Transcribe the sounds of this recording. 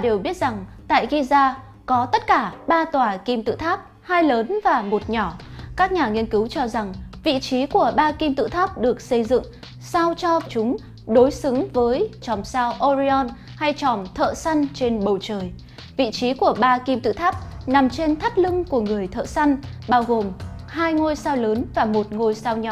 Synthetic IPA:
ɗe˨˩wɓi˦˥ət̚z̥a˨˩ŋt̪a̰ː˧˨jɣi˧zaː˧ | kɔ˨˦t̪ə˦˥t̚kaː˧˩ɓaː˧t̪waː˨˩ki˧mt̪ɨ̰˧˨t̪ʰaː˦˥p̚ | haː˧jləː˨˦nvaː˨˩mo˨˩t̚ɲɔ˧˩kaː˦˥k̚ɲaː˨˩ŋi˧ənkɨ˨˦wt͡ɕɔ˧za˨˩ŋvḭ˧˨t͡ɕi˨˦ku˧˩əɓaː˧ki˧mt̪ɨ̰˧˨t̪ʰaː˦˥p̚ɗɨ˨˩ək̚sə˧jzɨ̰˧˨ŋ | sa˧wt͡ɕɔ˧t͡ɕʊ˨˦ŋ͡m | ɗo˨˦jsɨ˨˦ŋvəː˨˦jt͡ɕɔ˨˩msaː˧wʔɔ˧zi˧ɔ˧n | ha˧jt͡ɕɔ˨˩mt̪ʰə̰ː˧˨sa˧jŋt͡ɕe˧nɓə˨˩wt͡ɕəː˨˩j | vḭ˧˨t͡ɕi˨˦ku˧˩əɓaː˧ki˧mt̪ɨ̰˧˨t̪ʰaː˦˥p̚na˨˩mt͡ɕe˧nt̪ʰa˦˥p̚lɨ˧ŋku˧˩əŋɨ˨˩əjt̪ʰə̰ː˧˨sa˧jŋɓaː˧wɣo˨˩m | haː˧jŋo˧jsaː˧wləː˨˦nvaː˨˩mo˨˩t̚ŋo˧jsaː˧wɲɔ˧˩

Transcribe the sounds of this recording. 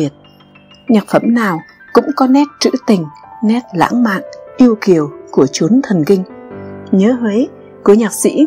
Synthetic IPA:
i˨˩ət̚ | ɲaː˨˩t̚fə˧˩mnaː˨˩w | kʊ̰˧˥ŋ͡mkɔ˨˦nɛ˦˥t̚t͡ɕɨ̰˧˥t̪ï˨˩ŋ̟nɛ˦˥t̚la̰ː˧˥ŋma̰ː˧˨nʔi˧əwki˨˩əwku˧˩ət͡ɕu˨˦ənt̪ʰə˨˩nkï˧ŋ̟ɲəː˨˦he˨˦j | ku˧˩əɲaː˨˩k̚sḭ˧˥

